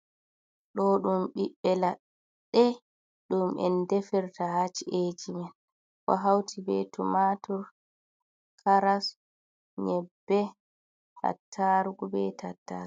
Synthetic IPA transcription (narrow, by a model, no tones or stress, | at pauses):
ɗɔɗumɓiɓːɛla | ɗːɛ | ɗumɛ̰ndɛfɛɾtahat͡ʃiʔed͡ʒimɛn | kɔ̰ɦawtʰibɛtumatɔɾ | kʰaɾas | ɲɛbːɛ | ha̰tʰːaɾɡubɛtatːa̰̥